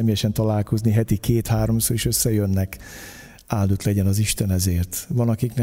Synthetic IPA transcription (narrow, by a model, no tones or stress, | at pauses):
meːjɛʃɛnt̪ɒlaːlko̞zniɦɛt̪ikeːt̪haːɾo̞msoːɾeʃøsːɛjønːɛk | aːld̪ut̪lɛɟɛnɒziʃt̪ɛnɛzeːrt̪ʋɒnɒkiknɛ